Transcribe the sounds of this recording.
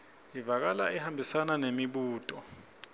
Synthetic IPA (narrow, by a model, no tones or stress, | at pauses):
ivak̬ala̰ɛhambʱisananemiɓuːtʼɔ